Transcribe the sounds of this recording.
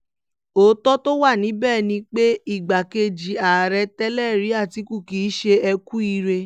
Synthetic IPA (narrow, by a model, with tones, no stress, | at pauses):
o˨˦tɔ˦to˦wa˦˨nĩ˨˦bɛː˦˨nĩ˧k͡pe˦i˦˨ɡ͡ba˨ke˧d͡ʒi˨a˨ɾɛ˧tɛ˦lɛ˦˨ɾi˨˦a˦˨ti˨˦ku˦˨kiː˨˦ʃe˧ɛ˧ku˦i˧ɾe˧